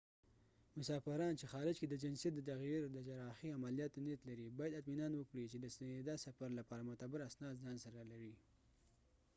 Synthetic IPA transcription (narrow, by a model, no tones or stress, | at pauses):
mʊsɑfɪɾɑnt͡ʃexɑɾɪd͡ʒked̪əd͡ʒɪnsijat̪̚d̪ət̪aɣiɾd̪əd͡ʒaɾɑxiamalijɑt̪net̪laɾibɑjad̪at̪minɑnwəkɽit͡ʃed̪əsand̪asafaɾlapɑɾamʊt̪abɪɾasnɑzɑnsaɾalaɾi